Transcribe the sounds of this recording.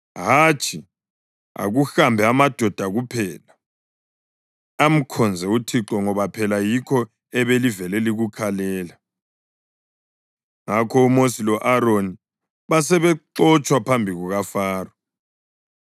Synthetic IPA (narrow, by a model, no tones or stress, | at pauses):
ɦat͡ʃʼʰi | a̰ɣuxambʱɛamad̥ʱɔd̥ʱaɣupʰɛːla | am̩kʰɔnd͡zʱɛutʰiǁɔŋɔβapʰɛlajikʰɔ | ɛβelivɛleliɣukʰalɛːla | ŋakʰɔumosilɔʔaɾoni | βas̬ɛβɛǃɔt͡ʃʼwapʰambʱiɣuɣafaːrɔ